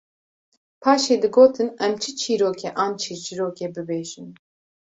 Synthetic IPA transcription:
pʰɑːʃeːd̪ɨɡoːt̪ʰɨnɛmt͡ʃʰɨt͡ʃʰiːɾoːkʰɛʔɑːnt͡ʃʰit͡ʃʰiɾoːkɛbɨbeːʒin

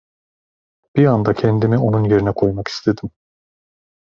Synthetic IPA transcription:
b̥iand̪acʰɛnd̪imio̞nunje̞ɾinɛkʰo̞jmaki̥st̪ʰe̞d̪im

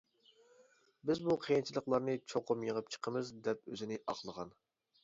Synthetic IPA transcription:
bɪzbuqʰejint͡ʃʰilˠəqlˠɑɾnɨt͡ʃʰoqʰʊmjəʁəp̚t͡ʃʰə̥qʰəmɨzd̪ɛp̚ø̰zɪnɪʔɑ̰qlˠəʁɑn

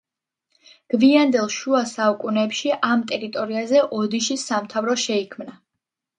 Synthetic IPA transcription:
ɡ̥viand̪ɛlˠʃuasaukʼunɛːpʃiʔamt̪ʼɛɾit̪ʼɔɾiazɛʔɔd̪iʃisamt̪ʰavɾɔʃɛikʰmna

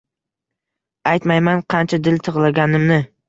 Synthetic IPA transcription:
ajt̪majmanqʰɑnt͡ʃʰad̪ɪlt̪ʰɨʁlˠaɡʲanɪmnɪ

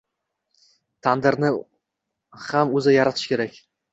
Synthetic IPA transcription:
t̪ʰand̪ɪɾnɪ | hamɵzɪjaɾat̪ʰɪ̥ʃkʲe̞ɾakʲ

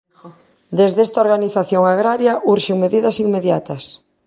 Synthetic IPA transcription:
d̪ezðest̪aoɾɣaniθaθjoŋaɣɾaɾjaʔuɾʃeŋmeðiðɐsiŋmeðjat̪ɐs

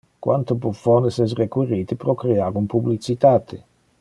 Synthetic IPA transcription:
kwʔant̪ʊpufɔnesɛs̬rekwiɾiːt̪ɪpɾokɾeaːkumpublit͡ʃit̪aːt̪ʰɪ

